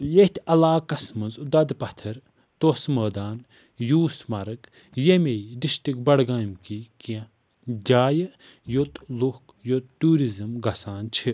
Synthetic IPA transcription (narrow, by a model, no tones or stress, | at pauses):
jet̪ʰʲɐlaːkɐsmɐnzd̪ɐd̪pɐt̪ʰɐɾ | t̪osmɐːd̪aːn | juːsmɐɾɨk | jemejɖiʃʈikbɐɽɡaːmkikijã | d͡ʒʲaːjɨ | jot̪luhk | jot̪̚ʈuːɾizɨmɡɐsaːnt͡ʃʰi